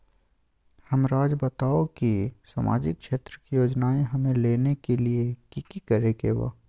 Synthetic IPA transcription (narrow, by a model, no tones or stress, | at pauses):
həmɾaːd͡ʒbət̪aːokisa̰ːma̰ːd͡ʒɪk̚kʃeːt̪ɾəkijoːd͡ʒnaːeɦɐmẽleːnekeliekikikəɾekeʋa̰